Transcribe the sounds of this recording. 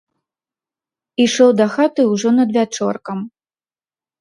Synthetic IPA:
iʂɔwd̪ɐxat̪ɨwʐɔnɐd̪vʲat͡ʂɔrkɐm

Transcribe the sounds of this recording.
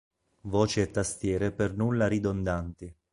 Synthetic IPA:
vɔːt͡ʃiet̪ːast̪jɛːɾepernulːaɾid̪ond̪ant̪i

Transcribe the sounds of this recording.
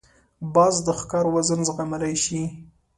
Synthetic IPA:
bɑzd̪əxkɑɾwazənzɣamalajʃi

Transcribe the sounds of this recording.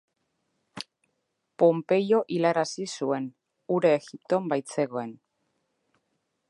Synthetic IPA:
po̞mpe̞jo̞ʔilaɾasisue̞n | uɾeːɣip̚t̪o̞mbajt͡se̞ɣo̞e̞n

